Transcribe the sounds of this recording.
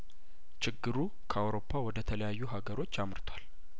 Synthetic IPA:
t͡ʃɪɡːɨɾu | kʰəawɾo̞pʰːawɔd̪ət̪ʰələjajːuɦaɡəɾo̞t͡ʃːamɾt̪ʰwal

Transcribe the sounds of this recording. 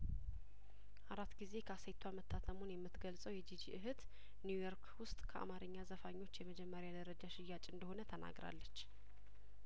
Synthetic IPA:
ʔaɾat̪ːɡize̞kʰəasəjt̪ʰwamət̪ʰːat̪ʰəmunjɛmːɨt̪ɡəlsʼəwjɛd͡ʒid͡ʒiʔɨɦɨt̪ | njujoɾkʰwʊst̪ʼkʰəʔa̰maɾɨɲːazəfaɲːo̞t͡ʃːjɛməd͡ʒɛmːəɾjad̪əɾəd͡ʒaʃɪjːat͡ʃʼɨnd̪əho̞nət̪ʰəna̰ɡɾa̰lːət͡ʃː

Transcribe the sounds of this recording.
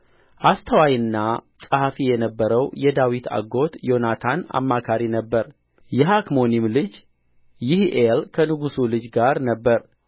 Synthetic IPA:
ʔast̪ʰəwajɨnːasʼəhafijɛnəbːəɾəwjɛd̪awit̪ʰa̰ɡo̞t̪jo̞nat̪ʰana̰mːakʰaɾinəbːəɾ | jɛɦakmo̞nimlɨd͡ʒ | jɪhʔelkʰənɨɡusulɨd͡ʒɡaɾnəbːəɾ

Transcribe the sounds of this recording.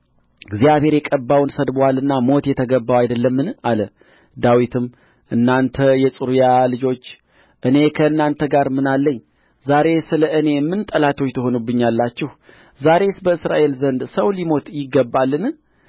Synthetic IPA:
ɡzijaβhe̞ɾjɛkʼəbːawnsəd̪balɨnːamo̞t̪jɛt̪ʰəɡəbːawajd̪əlːəmːɨnalə | d̪awit̪ʰɨm | ʔɨnːant̪ʰəjɛsʼɨɾujalɨd͡ʒo̞t͡ʃː | ʔɨne̞kʰəɨnːant̪ʰəɡaɾmɨnalːəɲː | zaɾe̞sɨləʔɨne̞mːɨnt̪ʼəlat̪ʰo̞t͡ʃːt̪ʰəho̞nubːɨɲːalːat͡ʃːɪh | zaɾe̞sbəɨsɾa̰ʔe̞lzənd̪səwlimot̪jɪɡːəbːalːɨn

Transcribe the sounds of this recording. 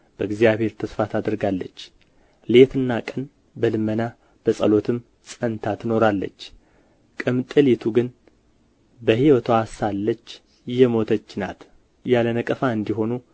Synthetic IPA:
b̥əɨɡzijaβhe̞ɾt̪ʰəsfat̪ʰad̪əɾɡalːət͡ʃː | le̞t̪ɨnːakʼən | bəlɨmːəna | b̥əsʼə̰lo̞t̪ʰɨm | sʼənt̪ʰat̪ʰɨno̞ɾalːə̰t͡ʃː | kʼɨmt̪ʼɨlet̪ʰuɡɨn | bəhiwət̪ʰoasalːət͡ʃː | jɛmo̞t̪ʰət͡ʃːna̰t̪ | jalənəkʼəfaɨnd̪iɦo̞nu

